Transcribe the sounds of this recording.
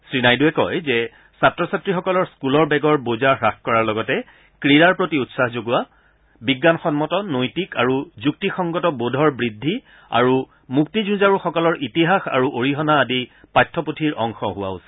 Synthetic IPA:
sɹinajduɛkɔ̰jzɛ | satɹɔsatɹixɔkɔlɔɹskulɔɹbɛɡɔɹbozaɹaxkɔɹaɹlɔɡɔtɛ | kɹiɹaɹpɹotiutsahzoɡʊwa | biɡːanxɔnmɔtɔnojtikaɹuzuk̚tixɔŋɡɔtɔbodʱɔɹbɹidʱːi | a̰ɹu | muk̚tizũzaɹuxɔkɔlɔɹʔitiɦaxa̰ɹuʔoɹiɦɔnaːdipajtʰːɔputʰiɹʔɔŋxɔ̰ɦʊwa̰osi̥

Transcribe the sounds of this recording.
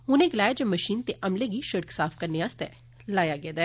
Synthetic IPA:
ʊnẽːɡɪlaːjaːd͡ʒoːməʃiːnt̪eːʔəmleːɡiːʃəɽəksaːfkəɾneːaːst̪ɛ̰ː | laːjaːɡɛːd̪aː

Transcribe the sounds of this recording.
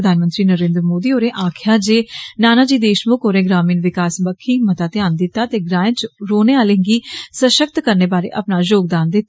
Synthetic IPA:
d̪ʱaːnmə̃nt̪ɾiːnəɾẽːnd̪ɾəmoːd̪iːoːɾẽːʔaːkʰjaːd͡ʒeːnaːnaːd͡ʒiːd̪eːʃmʊkoːɾẽːɡɾaːmiːnʋɪkaːsbəkʰːiːmət̪aːt̪ɪjaːnd̪ɪt̪ːaːt̪eːɡɾaːɪ̃nt͡ʃɾoːneːaːleːɡiːsəʃək̚t̪kəɾneːbaːɾḛːʔəpnaːd͡ʒoːɡ̚d̪aːnd̪ɪt̪ː

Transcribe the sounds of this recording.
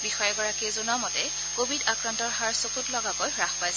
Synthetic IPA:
bixɔjɛɡɔɹakizunamɔtɛ | kobʱidakɹantɔɹɦaɹsokutlɔɡakojɹaxpajs

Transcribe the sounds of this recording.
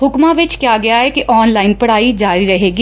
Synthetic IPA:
ɦʊkmãːʋɪt͡ʃkjaːɡɪjaːɦɛːkiʔɔːnlaːɪnpəɽ̤aːiːd͡ʒaːɾiːɾəɦeːɡi

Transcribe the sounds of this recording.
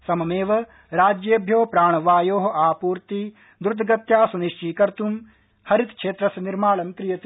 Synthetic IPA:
sɐmɐmeːʋɐ | ɾaːd͡ʒjeːbʱjoːpɾaːɳ̃ɐʋaːjoːɦɐ̆aːpuːɾt̪i | d̪uɾd̪ʱɐɡɐt̪jaːsuniʃt͡ʃiːkɐɾt̪um | hɐɾit̪kʰʃeːt̪ɾɐsɐniɾmaːɭɐnt̪ɾijɐt̪i

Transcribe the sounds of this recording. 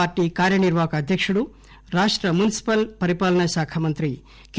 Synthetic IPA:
aːɾʈːiːkaːɾjɐniɾʋaːkɐːd̪ʱjɐkʂuɽu | ɾaːʂʈɾɐmunisi̥pɐlpɐɾipaːlɐɳɐʃaːkʰɐmɐnt̪ɾi | k

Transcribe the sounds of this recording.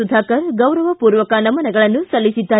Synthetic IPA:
ud̪ʱaːkɐɾɡɐwɾɐʋɐpuːɾʋɐkanɐmɐnɐɡɐɭɐnːusɐlːisid̪ːaː

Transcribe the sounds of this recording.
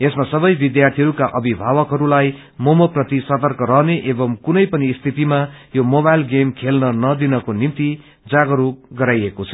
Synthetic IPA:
esmasʌbʌjbid̪jart̪ʰiɦʌɾukaʔʌbʱibʱabʌkɦʌɾulaj | momoprʌt̪isʌt̪ʌrkʌɾʌɦneʔebʌmkunʌjpʌnist̪ʰit̪imajomobajlɡemkʰelnʌnʌd̪inʌkonimt̪i | d͡zaɡʌɾuk̚ɡʌɾajekot͡sʰʌ̥

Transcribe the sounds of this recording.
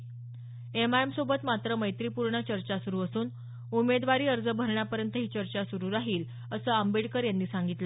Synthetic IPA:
emaemsobət̪mat̪ɾəməjt̪ɾiːpuɾɳət͡ɕəɾt͡ɕasuɾuːəsuːn | umed̪ʋaɾiːəɾd͡zəbʱəɾɳjapəɾjənt̪əɦiːt͡ɕəɾt͡ɕasuɾuːɾaɦiːl | əsəːəmbeɽkəɾjanːiːsaŋɡit̪lə

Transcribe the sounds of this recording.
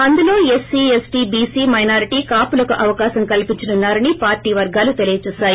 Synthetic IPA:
ɐnd̪ulo̞ːesːiesʈiːbiːsiːmɐjnaːɾiʈiːkaːpulɐkuʔɐʋɐkaːsɐŋkɐlipiɲt͡ʃɐnunːaːɾɐnipaːɾʈiːʋɐɾɡaːlut̪elijɐt͡ʃuːsaːji

